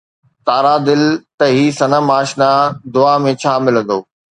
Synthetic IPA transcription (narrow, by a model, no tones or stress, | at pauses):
t̪aːɾad̪ɪlt̪ɐɦiːsɐnəmaːʃnad̪ʊaːmẽt͡ɕʰaːmɪlə̃n̆d̪oː